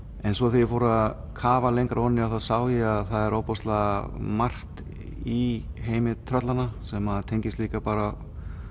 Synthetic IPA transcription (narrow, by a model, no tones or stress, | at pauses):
ɛnsvɔθiɪfowɾað | kʰaːvalejŋkaɾɔnːɪawθaðsaːwjɛaðθaðɛɾowpɔst̪lamar̥t̪ | iɦeːjmɪt̪ʰɾœt̪lanasɛmaðt̪ʰejɲcɪst̪liːkapaːɾa